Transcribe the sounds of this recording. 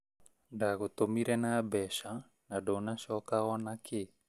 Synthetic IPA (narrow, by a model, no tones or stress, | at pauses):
daɡot̪omiɾɛnabɛʃa | nadonasɔkaɔnakʰe